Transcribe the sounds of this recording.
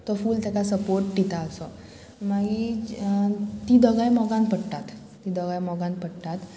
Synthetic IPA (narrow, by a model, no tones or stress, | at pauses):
t̪ɔfuːlt̪akasəpoɾʈːit̪aəsɔ | maɡi | t̪id̪ɔɡajmɔɡãnpəɽʈ̪at̪ː | id̪ɔɡajmɔɡãnpəɽʈ̪at̪